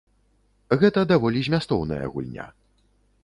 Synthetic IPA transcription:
ɣɛt̪ɐd̪avɔlʲizʲmʲast̪ɔwnɐ̰jɐ̰ɣṵlʲnʲa̰

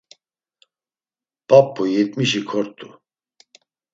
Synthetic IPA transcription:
papʰːujɛt̪miʃikʰɔɾt̪ʰʼu

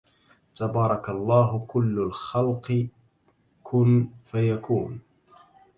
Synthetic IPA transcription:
t̪abɑːɾˤɑkalˤːɑːɦʊkʊlːalxalqɨ | kʰʊnfajakuːn

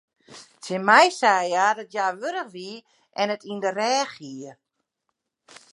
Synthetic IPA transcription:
tʰɪmɛjsaːjaːdɔtjaːʋøɾəxʋi | ʔɛnətindərɛːxiə

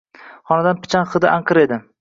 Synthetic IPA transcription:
χɒnad̪anpʰɪ̥t͡ʃʰanqʰɨd̪ɪ̰ʔaɴqʰɨɾe̞d̪ɪ

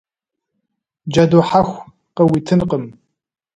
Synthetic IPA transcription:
d͡ʒɐdoħaxʷ | qəwitʰɨnqəm

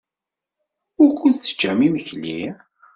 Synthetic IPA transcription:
ʊɾkʷut͡sːə̥d͡ʒːæmiməçli

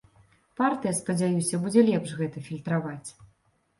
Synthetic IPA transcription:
part̪ɨjɐspɐd͡zʲajusʲɐbud͡zʲɛlʲɛpʂɣɛt̪ɐfʲilʲt̪ɾavat͡sʲ

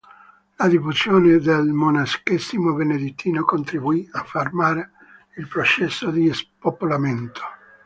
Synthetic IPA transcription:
lad̪ifuzjoːned̪elmonaskesimobened̪it̪ʰːiːnokont̪ɾibuiafːarmaːɾe | ilpɾot͡ʃɛsːod̪ispopolament̪ʰo̥

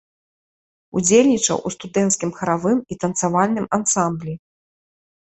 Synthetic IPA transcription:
ud͡zʲelʲnʲit͡ʂɐ̰wʔust̪ud̪ɛnt̪skʲimxɐɾavɨmit̪ɐnt̪savalʲnɨmansamblʲi

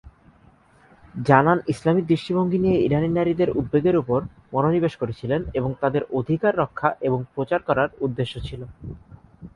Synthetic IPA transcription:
d͡ʑananislamid̪ɾiʃʈiboŋɡʱinijeiɾaninaɾid̪eɾud̪̚beɡeɾupoɾ | mɔnonibeʃkoɾet͡ɕʰileneboŋt̪ad̪eɾod̪ʱikaɾːɔkʰːaʔeboŋpɾot͡ɕaɾkɔɾaɾud̪ːeʃːot͡ɕʰilo

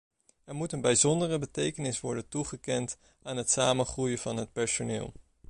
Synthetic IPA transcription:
ɛɹmutənbɛjzɔndərəbətejkənɪsʋɔɹdəntuχəkɛnt | aːnɦətsaːmənχrujəvɑnɦət̚pɛɹsonɪːlˠ

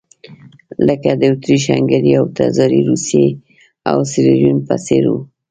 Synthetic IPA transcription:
ləkad̪əut̪ɾiʃaŋɡaɾiawt̪azɑɾiɾusje | a̰wsiɾiɾjunpaseɾu

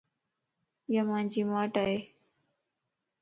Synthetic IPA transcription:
jaːmãːɲd͡ʒiːmaːʈaːɦeː

